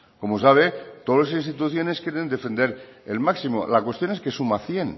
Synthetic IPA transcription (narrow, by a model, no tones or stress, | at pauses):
ko̞mos̬aβ̞et̪oðoles̬inst̪it̪uθjo̞ne̞skje̞ɾe̞nd̪e̞fend̪e̞ɾelmaksimo̰lakwe̞st̪jo̞neske̞sumaθje̞n